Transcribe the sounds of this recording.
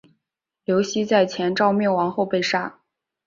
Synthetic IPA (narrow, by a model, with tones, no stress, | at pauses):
ljo˧˥ʊɕi˧˥t͡sa˥˩ɪt͡ɕʰjɛ˧˥nʈ͡ʂɑ˥˧ʊmjɛ˥˩nwɑ˧˥ŋxo˥˧ʊpe˥˧ɪʂa˥˩